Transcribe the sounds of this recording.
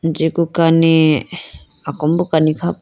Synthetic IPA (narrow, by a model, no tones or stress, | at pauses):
d͡ʒikukani | akombukanikʰa